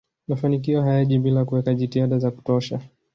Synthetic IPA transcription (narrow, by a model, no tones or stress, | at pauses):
mafanik̬iɔɦajaʄiɓilakuwɛkaʄitihaɗazaku̥tɔʃa